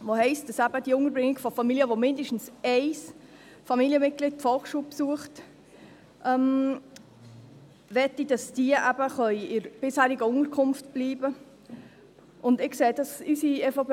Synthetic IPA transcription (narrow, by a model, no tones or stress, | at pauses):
ʋohɛɪst̚d̥ɑsæb̥əd̥iʊŋəɾbɾɪŋːɪɡ̥fɔfɑmiliəʋomɪndəʃtn̩sɛɪs | fɑmiliəmɪt̚ɡ̥lɪt̚tfɔlkʃuːpsuəχt | ʔɛm | ʋɛtːid̥ɑsd̥iːəʔæbəχœʏɪɾb̥ɪshæːɾiɡəʊŋəɾkʰʊmftb̥liːbə | ʔʊndɪkseːd̥ɑsysiɛfop